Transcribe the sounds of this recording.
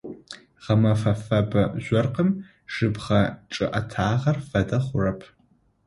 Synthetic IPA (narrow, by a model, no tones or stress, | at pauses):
ʁɐmɐfɐfɐbɐʑʷɔrqəm | ʂɨbχɐʈ͡ʂʼɨʔɐtʰaːʁɐrfɐdɐχʷʊrɐpʰ